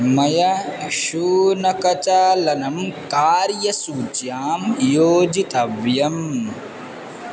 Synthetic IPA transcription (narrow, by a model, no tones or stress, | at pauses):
mɐjɐʃuːnɐkɐt͡ʃaːlɐnɐmkaːɾjɐsuːt͡ʃjaːmjoːd͡ʒit̪ɐʋjɐm